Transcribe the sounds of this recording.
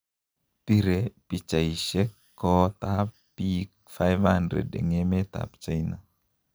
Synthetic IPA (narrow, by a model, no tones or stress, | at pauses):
piɾepit͡ʃaiʃɛkː | ɔt̪apː | ik̚ | fajvhandɾḛdḛŋemet̪a̰pt͡ʃaina